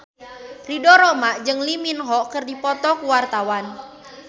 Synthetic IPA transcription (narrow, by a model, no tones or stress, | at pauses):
ridɔɾɔmaʔd͡ʒɨŋliminɦɔkɨrdipɔt̪ɔkuwart̪awan